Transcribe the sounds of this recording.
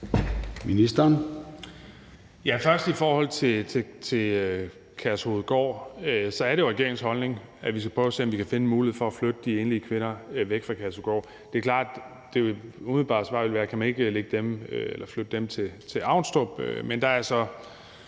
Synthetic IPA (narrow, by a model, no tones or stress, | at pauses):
minisd̥ɐn | jæfɶɐsd̥ifɒːhɒ̽l̰t͡sʰe̝t͡sʰe̝t͡sʰe̝ | kʰæɐsho̝ð̩ˠɡ̥ɒ̰ːøsɒ̽æɐɾe̝joʁɛɡ̥e̝ɐ̰eŋ̩shɒ̽lne̝ŋ | æʋis̬ɡ̥æpʰʁœːʊse̝̰ːɒmʋikʰæfe̝nəmuːliheð̩ˠfɒ̽æflød̥əd̥ie̝ːnliəkʰʋe̝nɐʋeɡ̥fʁɑ̈kʰæɐsoɡ̥ɒ̰ː | d̥e̝kʰlɑ̰̈ːd̥ | d̥e̝ʋeumið̩ˠb̥ɑ̈ːsʋɑ̈ːʋe̝lʋæːɐkʰæmæne̝ɡ̥leɡ̥əd̥emelɐflød̥əd̥emt͡sʰe̝t͡sʰe̝ɑ̈ʊ̰nsd̥ɒb̥ømend̥ɑ̈æɐsɒ̽